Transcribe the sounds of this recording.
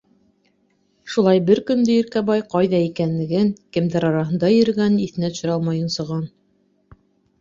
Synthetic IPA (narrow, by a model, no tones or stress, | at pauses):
ʃulˠɑjbɘɾkɵ̆nd̪ɘĭɾkæβɑjqɑjðɑikænlɘ̆ɡɘŋkɘ̆mdɘɾɑɾɑɦɤ̆nd̪ɑjɵ̆ɾ̆ɡæniθɘ̆næt̪ɵ̥̆ɕɘ̆ɾɑlˠmɑjɤnsɤ̆ʁɑn